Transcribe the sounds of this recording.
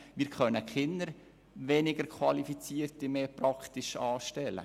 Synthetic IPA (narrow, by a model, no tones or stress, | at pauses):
mɪːɾkʰœnəkχɪnːəɾ | ʋɛnɪɡəɾkʰχwɑlifit͡siːərtimeːpɾɑkχt̪ɪʃɑːʃtɛlə̰